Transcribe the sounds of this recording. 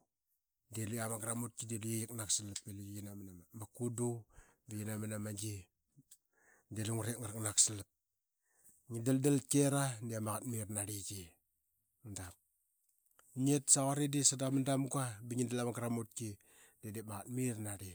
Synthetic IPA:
deluamaɡɾamut̚kidelujejiknaksilap̚elujinamanamamakudubijinamanamad͡ʒi | deluŋuɾeŋaɾaknaksilap̚ | ŋidaldalkeɾaniamaɣat̚mirnaɾid͡ʒi | dap̚ | ɲietsaɣaɾidisadamandamɡabiŋidalamaɡɾamut̚ki | dedemaɣatmirnaɾi

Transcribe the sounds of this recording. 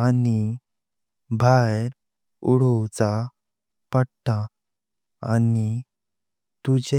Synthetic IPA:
ani | bʱajɾ | uɽɔt͡sa | pəɽt̪a | ani | t̪ud͡ʑe

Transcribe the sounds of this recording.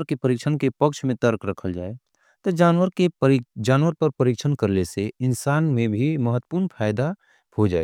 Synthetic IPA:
əɾkepəɾɪkʃʰənkepɐkʃmẽt̪əɾkɾɐkʰəld͡ʒa̰ːe | t̪od͡ʒaːnwəɾed͡ʒaːnwəɾpɐɾpəɾɪkʃʰənkɐɾleseɪnsaːnmẽbʱimɐɦət̪ːə̥puːɾnpʰaːɪd̪a | hod͡ʒa̰ːḛɡ

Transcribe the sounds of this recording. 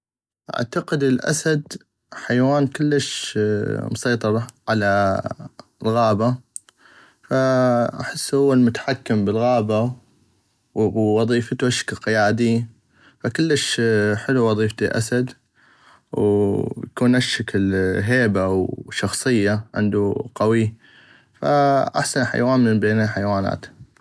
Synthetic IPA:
ʔa̰ʕt̪aqɪd̪ɪlʔa̰sad̪ | ħajwaːnkɪlːəʃ | mʊsɑjt̪ˤɑɾˤɑʕala | lɣɑːba | faʔa̰ħɪsːhʊwːalmʊt̪ḁħakːɪmbɪlɣɑːba | wɑðˤiːft̪uaʃɪ̥klqɪjaːd̪i | fakʊlːəʃħɪluwɑðˤiːft̪iʔa̰sad̪ | wjakuːnʔaʃːaklɦeːbawʃɑxsˤɨjːaʕɪ̰nd̪uqawi | fa̰ʔa̰ħsanħa̰jwaːnmɪnbeːnaħajwaːna̰ːt̪

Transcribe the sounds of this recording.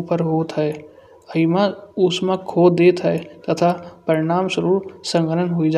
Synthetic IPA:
pəɾɦoːt̪ʰɦɛe | əimãʊsmãkʰoːd̪eːt̪ʰɦɛet̪ɐt̪ʰapəɾɪɽ̃aːmsəɾuːɾsə̃ŋɡəɾənɦoid͡ʒ

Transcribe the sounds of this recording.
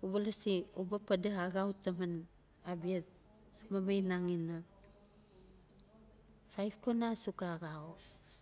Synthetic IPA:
ubalasiubapadeɦaɡawtaman | abiat | mamajnaŋina | fajfkonasukaɡawo

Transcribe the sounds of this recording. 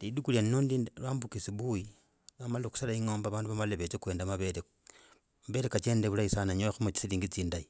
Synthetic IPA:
lidukulianinondilwaːmbukisiβuji | amaloku̥salaiŋoːmbaβaːnduβamaleβet͡sekwe̞ːndamaβele | maβe̞ɾekat͡ʃe̞ːndeβulaisanaɲoaxumut͡ʃi̥siliːŋɡit͡siːndai

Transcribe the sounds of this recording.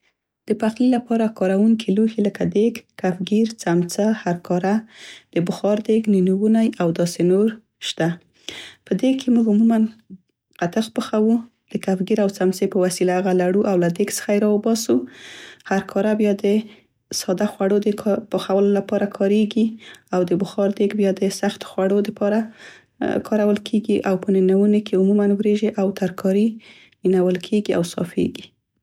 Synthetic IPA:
d̪̥əpaxlilapɑɾakɑɾawuŋkʰiluhiləkad̪eɡkːafɡiɾt͡samt͡sahaɾkɑɾad̪̥əbəxɑɾd̪eɡninuwunajawd̪ɑsenoɾ | ʃt̪a | pəd̪ekʰemuɡumuman | qat̪axpəxawu | d̪̥əkafɡiɾawt͡samt͡sepəwasilaɣalaɽuʔawlad̪eɡsə̥xajɾɑwəbɑsuhaɾkʰɑɾabjad̪ə | sɑd̪axwaɽod̪əpəxawəlolapɑɾakʰɑɾeɡiawd̪əbʊxɑɾd̪eɡbjad̪əsaxt̪o̥xwaɽod̪əpɑɾa | kʰɑɾawəlkʰeɡiʔawpəninawunekʰeumumanwɾeʒiʔawt̪aɾkʰɑɾi | minawəlkʰeɡia̰wsɑ̰fḛɡi

